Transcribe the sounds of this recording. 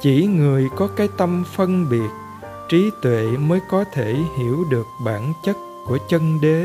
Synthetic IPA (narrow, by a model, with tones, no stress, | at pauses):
t͡ɕi˧˩ŋɨ˨˩əjkɔ˨˦kaː˨˦jt̪ə˧mfə˧nɓi˨˩ət̚ | t͡ɕi˨˦t̪wḛ˧˨məː˨˦jkɔ˨˦t̪ʰe˧˩˨hi˧˩əwɗɨ˨˩ək̚ɓaː˧˩nt͡ɕə˦˥t̚ku˧˩ət͡ɕə˧nɗe˨˦